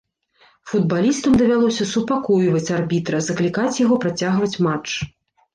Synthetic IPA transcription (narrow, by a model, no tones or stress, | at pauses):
fud̪̚balʲist̪ɐmd̪ɐvʲalˠɔsʲɐsupakɔjvɐt͡sʲarbʲit̪ɾɐzɐklʲikat͡sʲjaɣɔpɾat͡sʲaɣvɐt͡sʲmat͡ʂ